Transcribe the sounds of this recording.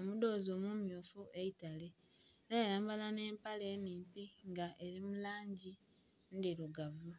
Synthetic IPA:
omudo̞ːzo̞ːmumjuːfuʔe̞itale | ɾejajaːmbalane̞ːmpale̞ːniːmpiŋɡaʔe̞ɾimulaːɲɟi | ndiluɡavu

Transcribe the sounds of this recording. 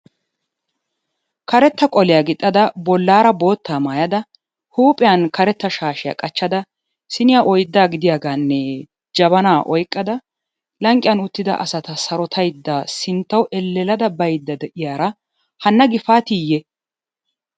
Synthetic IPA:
kɐɾɛt̪ːɐkʼɔlɪjaɡɪt̪ʼːɐd̪ɐbɔlːaːɾɐbo̞ːt̪ːaːmaːjɐd̪ɐ | huːpʼɪjɐnkɐɾɛt̪ːɐʃaːʃɪja̰ːkʼɐt͡ʃːɐd̪ɐ | sɪnɪjaʔɔjd̪ːaːɡɪd̪ɪjaːɡaːnːɛ | d͡ʒɐbɐnaːʔɔjkʼːɐd̪ɐ | lɐŋkʼːɪjɐnʊt̪ːɪd̪ɐ̰ʔɐ̰sɐt̪ɐsɐɾɔt̪ʰɐjd̪ːasɪnt̪ːɐwʔɛlːɛlɐd̪ɐbɐjd̪ːɐd̪ɛʔɪjaːɾɐ | hɐnːɐɡɪfaːt̪iːjːɛ

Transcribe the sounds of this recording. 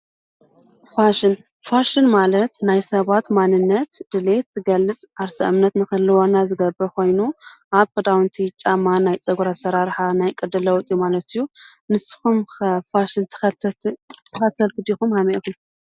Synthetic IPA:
faʃɪn | faʃɨnmalɐt̪najsɐβat̪manːɨnːɐt̪d̪̥ɨle̞t̪ʰːɨɡɐlːɨt͡sʼaɾsɐ̰ʔɨmnɐt̪nɨxɨlːɨwonːazɨɡɐbɨkʰo̞jnuʔaβkɨd̪awnt̪ʰit͡ʃʼːamːanajt͡sʼɐɡuɾasɐɾaɾħanajkʼɨd̪ɨlɐwt̪ʼjumalɐt̪ʰɨjːunɨsɨ̥xumfaʃɨnt̪ʰ | t̪ʰɨxɐt̪ʰːɐlt̪ʰɨd̪ixumhameʔkum

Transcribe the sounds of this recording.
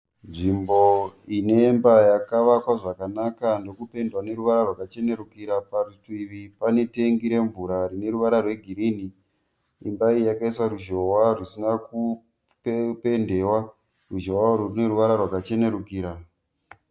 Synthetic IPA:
nʐimbo̞ine̞mbajakaʋakwaʐakanakando̞kupe̞ndwane̞ɾuʋaɾarwakat͡ʃe̞ne̞ɾukiɾaparutuiʋipane̞te̞ŋɡiɾe̞ɱvuɾaɾine̞ɾuʋaɾarwe̞ɡʱiɾini | imbaijakaiswaɾuʒo̞warisinaku | ppe̞nde̞wa | ruʒowaɾurune̞ɾuʋaɾarwakat͡ʃe̞ne̞ɾukiːɾa

